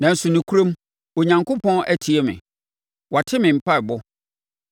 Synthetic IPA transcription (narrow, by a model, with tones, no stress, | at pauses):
nã˨n̩˨sʊ˨nɪ̃˨kʰu˦ɾõ˦m˦ | o˨ɲã˨ŋkʊ˦pʰɔ̃˦nʔæ˦tʰi˨ɛ˦mɪ̰̃˨ | wa˨tʰɪ˦mɪ̃˨m̩˨pa˦ɪ˨bɔ˦